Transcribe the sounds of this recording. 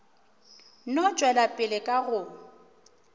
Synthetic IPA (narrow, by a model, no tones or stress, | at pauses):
nɔt͡ʃʼwɛlapʼɪlɪkʼaɣʊ